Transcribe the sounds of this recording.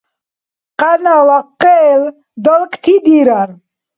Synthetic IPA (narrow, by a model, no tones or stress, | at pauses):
qʼanalaqːɛːl | d̪ɔlkʼt̪ʰid̪iɾaɾ